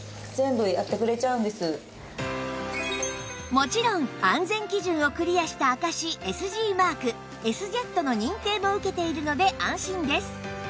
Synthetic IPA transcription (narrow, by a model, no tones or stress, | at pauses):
zẽ̞mbɯ̟iat̪ːekɯ̟ɾe̞t͡ɕaɯ̃nd̪e̞sɨ | mo̞t͡ɕiɾõ̞ŋãnd͡zẽ̞ŋkʲiʑɨ̃ɰ̃o̞kɯ̟ɾʲijaɕi̥t̪aːkaɕie̞sɨʑiːmaːkɯ̟ | e̞sɨʑe̞t̪ːo̞no̞ɲ̟ĩŋt̪e̞ːmo̞ɯ̟ke̞t̪e̞iɾɯ̟no̞d̪e̞ʔãɕĩnd̪e̞sɨ̥